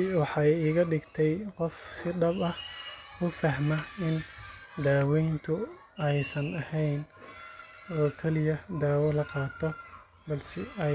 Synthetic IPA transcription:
wɑħɑjiːɣɐɖɪɡt̪ʰɛjqɔfsɪɖɐbɐhʊfɐɦmɐɪnd̪aːwɛjnt̪ʰʊ | ɛjsɐnɐhɛjn | ɔːkʰɛlɪjɐd̪aːwɔlɐqɑːt̪ʰɔ | bɐlsɛɐ

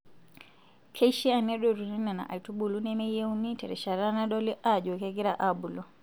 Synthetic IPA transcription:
kʰejʃianɛɗɔɾuninana̰ʔa̰jtubulunɛmɛjewnitɛɾɛʃaɾanaɗɔliʔad͡ʒɔkɛɡiɾaʔabulɔ

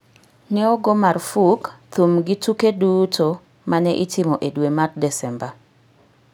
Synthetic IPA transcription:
nɛɔɡomarfukt̪umɡɪtukedutʰo | mʔanɛʔɪtʰɪmoʔedwemat̚dɛsɛmba

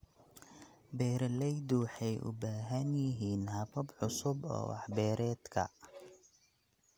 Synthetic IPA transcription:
bɛːɾɐlɛjd̪ʊwɑħɛjʔʊ̰baːɦɐnjɪɦiːnhɐfɐbʕʊsʊbɔ̰ːwɑ̰ħbɛːɾɛːd̪kʰɐ̰

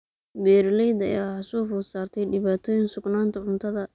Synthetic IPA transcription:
bɛːɾlɛjd̪ɐ̰jaːħɐsuːfʊːsaːrt̪ʰɛjɖɪβaːt̪ʰɔːjɪnsʊɡnaːnt̪ʰɐʕʊnt̪ʰɐðɐ

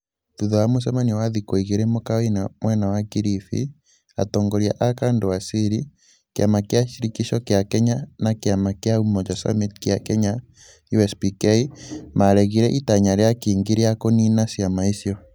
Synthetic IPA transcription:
ðuðɔamos̬ɛmaniwaðikoiɣeɾɛmokawenamwɛnawakiɾifḭ | a̰tɔːŋɡoɾia̰ʔakandowasiɾi | keamakjaʃiɾikiʃɔkeakɛɲanakeamakeaumɔt͡ʃasa̰mitkjakɛɲa | juɛspikɛimaɾɛɣiɾɛʔitaɲaɾeakiːŋɡiɾeakoninasjamaisjɔ

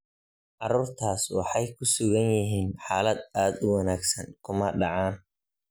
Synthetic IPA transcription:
ʕɑruːrt̪ʰaːswɑ̰ħɑjkʰʊsʊɣɐnjɪɦiːnħaːlɐd̪aːd̪ʊwɑnaːɡsɐŋkʰʊmɐɖɑʕaːn

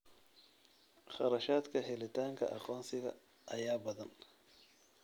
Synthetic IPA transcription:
χɑɾɐʃaːd̪kʰɐɦɛlɪt̪ʰaːŋkʰɐ̰ʔɑqɔːnsɪɣɐ̰ | ʔɐjaːbɐðɐn

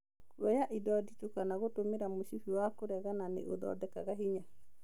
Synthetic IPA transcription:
wɛjaʔidɔditukanaɣotomeɾamoʃifiwakoɾɛɣananḛʔo̰dɔ̰dɛkaɣaɦiɲa

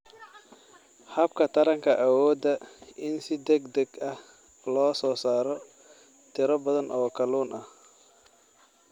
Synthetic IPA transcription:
hɐb̚kʰɐt̪ʰɐɾɐŋkʰɐʔɐwɔːd̪ɐʔɪnsɪd̪ɛɡd̪ɛɡɐh | lɔːsɔːsaːɾɔ | t̪ʰɪɾɔbɐðɐnʔɔːkʰɐluːnʔɐh

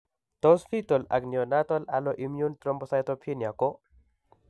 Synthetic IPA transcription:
t̪ɔsfʰit̪ɔla̰ɡnijɔnat̪ɔlalɔʔimjunt̪ɾɔmbɔsajt̪ɔpʰinjakɔ

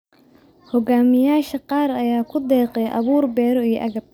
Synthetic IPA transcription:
hɔɡaːmɪjaːʃɐqɑːɾɐjaːkʰʊd̪ɛːqɛjʔɐ̰βuːrbɛːɾɔijʔɐɣɐb̚

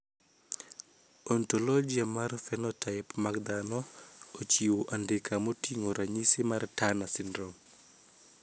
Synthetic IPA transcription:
ɔntolɔd͡ʒiamarfɛnɔtʰaɪpmakd̪anɔot͡ʃiwoʔandɪkamotiŋoɾaɲisɪmartanasɪndɾɔm

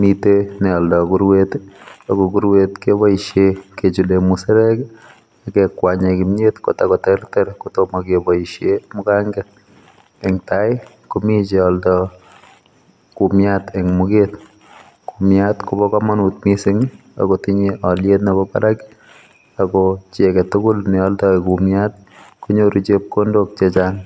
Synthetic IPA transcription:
mitenɛɔldɔkuɾwetakɔkuɾwetkebaiʃjeket͡ʃulemusɪɾɛk | akekwaɲekimjetkotakɔtɛrtɛɾkutomakebɔiʃjemʊkaŋɡɛt̚ | ɛŋtaɪ | kumit͡ʃeɔldɔ | kumjatɛŋmuket | kumjatkubɔkamanutmisiŋ | a̰kotiɲiʔɔljetnebɔpa̰ɾaki̥ | akɔt͡ʃekɛtʊkʊlnɛɔltɔekumjat̚ | kuɲoɾit͡ʃep̚kondok̚t͡ʃet͡ʃaŋ

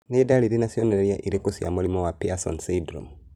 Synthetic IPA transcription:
nedaliɾenasioneɾeɾjaʔiɾekosja̰muɾimɔwapiasɔ̰nsidɾo̰m

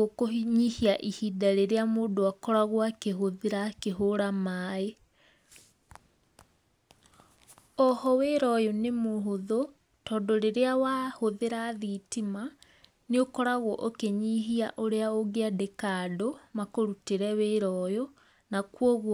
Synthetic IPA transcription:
okoɲihiaʔihidaɾeɾeamoːdoakɔɾaɣwakeɦoðeɾakeɦoɾamaːe | ɔhɔweɾɔjonemoɦoðo | tɔːndoɾeɾeawahoðeɾaðitima | neokɔɾaɣwɔʔokeɲiɦiaʔoɾeaoɣeadekaːdomakoɾuteɾɛweɾɔːjɔ | nakwɔɣwɔ

